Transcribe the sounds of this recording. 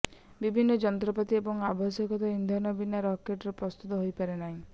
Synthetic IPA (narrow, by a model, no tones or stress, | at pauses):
bibʱinːɔd͡ʒɔnt̪ɾɔpɔt̪iebɔŋabɔsjɔkɔt̪ɔind̪ʱɔnɔbinːaɾɔkeʈɾɔpɾɔst̪ut̪ɔɦojpaɾenaɦĩ